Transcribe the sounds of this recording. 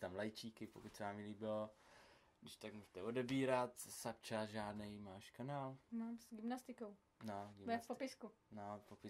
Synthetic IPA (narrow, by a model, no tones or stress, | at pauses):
t̪amlajt͡ʃiːkɪpokuc̪ʲsɛvaːmɪliːbɪlo | ɡdɪʃt̪akmuːʒɛt̪ɛodɛbiːɾat̪sapt͡ʃasʒaːdnɛjmaːʃkanaːlmaːmsɡɪmnast̪ɪkow | noɡɪvɛspopɪsku | nopopɪ